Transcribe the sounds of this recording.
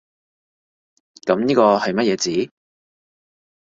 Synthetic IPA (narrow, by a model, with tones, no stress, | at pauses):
kɐ˨˥mniː˥kɔː˧hɐ˨jmɐ˥t̚jɛː˨˧t͡siː˨˥